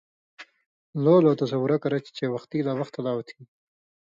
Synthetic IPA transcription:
lolot̪as̬awʊɾakaɾat͡ʃt͡ʃewaxt̪ilɑːwaxt̪alɑwat̪ʰi

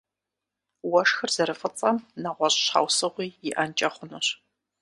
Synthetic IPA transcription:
wɐʂxɨrz̥ɐɾɨfʼɨt͡sʼɐmnɐʁʷɔɕʼɕħa̰wsɨʁʷiːjɪʔɐnt͡ʃʼɐχʷʊnuɕ

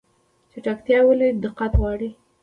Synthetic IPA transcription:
t͡ʃeʈakt̪jɑwəlid̪ɪqat̪wɑɽi

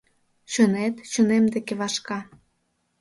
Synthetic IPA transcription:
t͡ɕonet̪t͡ɕonemd̪ekeβɑʃkɑ

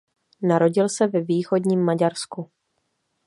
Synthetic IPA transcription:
naɾo̞ɟɪlsɛvɛviːxo̞dɲiːmːaɟaɾsku

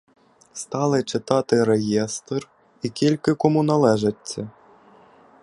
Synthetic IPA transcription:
st̪alˠɐt͡ʂɨt̪at̪ɨɾɛjɛst̪r | ikʲilʲkɨkɔmunalˠɛʐɐt͡sʲːɐ

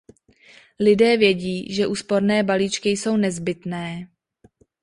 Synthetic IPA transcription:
lɪdɛːvjɛɟiːʒɛʔuːspo̞ɾnɛːbaliːt͡ʃkɪjso̞wnɛzbɪt̪nɛː

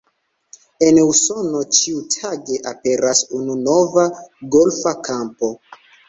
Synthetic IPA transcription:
e̞nuso̞no̞t͡ʃiutʰaɡe̞ʔape̞ɾasununo̞vaɡo̞lfakʰampo̞

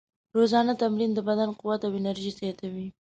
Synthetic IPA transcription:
ɾozɑnat̪amɾind̪əbad̪anqʊwat̪awɪnaɾʒizet̪awi

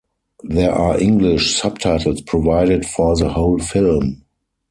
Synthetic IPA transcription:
ðɛəʔaːʔɪ̃ŋɡlɪʃsab̚tʰaɪtl̩spʰɹɔvaɪɾətfɔːðəhoʊlfɪlm

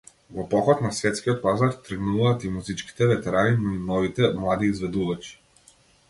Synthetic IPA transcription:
vɔpɔxɔt̪nasvɛt̪skʲiɔt̪̚pazaɾt̪ɾəɡnuvaːt̪imuzit͡ʃki̥t̪ɛvɛt̪ɛɾaninɔinɔvit̪ɛmlˠad̪iːzvɛd̪uvat͡ʃi̥

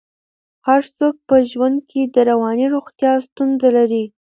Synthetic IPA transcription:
haɾsok̚pəʒwand̪̚kʰed̪əɾawɑniɾoɣt̪jɑst̪unzalaɾi

